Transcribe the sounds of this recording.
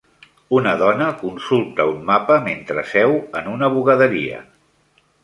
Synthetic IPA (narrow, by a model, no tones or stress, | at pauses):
unəðɔnəkunsulˠt̪əummapəment̪ɾəsɛwənunəβuɣəðəɾḭə̰